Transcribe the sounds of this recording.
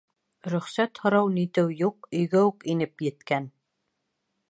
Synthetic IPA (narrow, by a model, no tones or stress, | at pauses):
ɾɵ̆χsæt̪hŏɾɑwnit̪ɘwjuq̚ɵ̆jɡæukinɘpjɘ̆t̪kæn